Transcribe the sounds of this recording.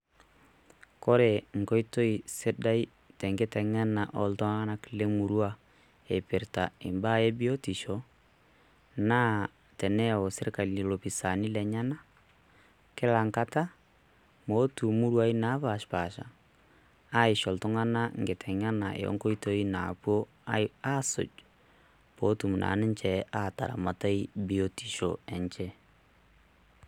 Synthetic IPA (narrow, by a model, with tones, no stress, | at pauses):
kɔ˦ɾe˨ŋ̩˨kɔ˦i˦to˦i˨se˦da˦i˦ | tɛ˨ŋɡe˦tɛ˨ŋa˦na˨ʔɔ˨ltɔ˦ŋa˦ŋa˦na˦kile˦mu˨ɾwa˦ | e˨pe˨ɾta˨e˨mba˦je˦bi˦ɔ˦ti˨ʃɔ | na˦ | tɛ˨nɛ˦ɔ˨se˦ɾe˦ka˨li˨i˨lo˨pi˨sa˨ni˦lɛ˨ɲa˦na˦ | ke˦la˨ŋka˦ta˦ | mo˨˦tu˨mu˦ɾwa˦i˦na˨˦βa˨ʃpa˨ʃa̰˨ | a˦i˨ʃɔ˨lto˦ŋa˦na˦ŋɡe˨tʰɛ˨ŋa˦na˨ʔḛ˨ɔ̰˦ŋko˦i˦to˦i˦na˨pwo˦ | a˦so̰˨d͡ʒ | po˨˦tu˨mu˨nʔa̰˨nɛ˦ɲt͡ʃɛ˨ʔa˦˨ta̰˨ɾa̰˨ma˨ta˦i˦bi˦o˦ti̥˨ʃɔ̰˨ɛ˨ɲt͡ʃɛ˦